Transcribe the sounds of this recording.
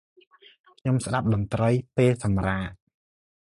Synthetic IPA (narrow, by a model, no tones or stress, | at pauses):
kʰɲomsɗap̚ɗɑnt̪rəjpeːlsɑmraːʔ